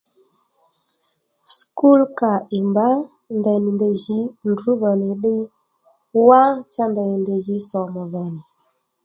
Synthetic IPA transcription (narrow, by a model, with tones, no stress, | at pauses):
sku˦lka˨i˨mba˦ | ndɛ˨ni˨ndə˨ʒi˦n˦dɾu˦və˨ni˨ɗi˦ | wa˦ŋt͡ʃa˦ndɛ˨ni˨nde˨ʒi˦sɔ˨mə˨və˨ni˨